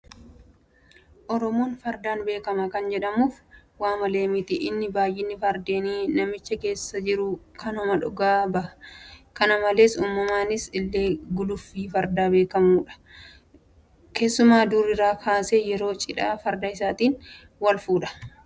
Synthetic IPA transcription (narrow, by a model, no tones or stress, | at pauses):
ʔɔɾɔmoːnfɐɾd̪aːnbe̞ːkɐmɐkɐnd͡ʒɛᶑɐmuːfwaːmɐle̞ːmɪt̪ɪʔɪnːɪbaːjʔɪnːɪfɐɾd̪e̞ːniːnɐmɪt͡ʃːɐke̞ːsːɐd͡ʒɪɾʊkʰɐnhɔmɐᶑʊɡaːbɐʔkɐnɐmɐle̞ːsuːmːɐmaːnɪsɪlːe̞ːɡʊlʊfːiːfɐɾd̪aːbe̞ːkɐmuːᶑɐ̥ | ke̞ːsːʊmaːd̪ʊɾɪɾaːkʰaːseːjɛɾo̞ːt͡ʃʼɪᶑaːfɐɾd̪ɐɪsaːt̪iːn | wɐlfuːᶑɐ̥